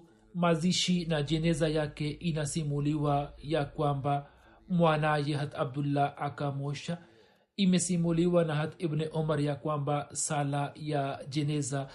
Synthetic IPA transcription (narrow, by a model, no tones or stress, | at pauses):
maziʃinad͡ʒeneːzajakeʔinasimuliwajakwamba | mwaːnaːjeɦɐt̪ʰɐb̚d̪ulːaʔakamoːʃa | imesimoliwanaɦɐt̪ʰɪbneʔomɐɾjakwambasalajad͡ʒeneːza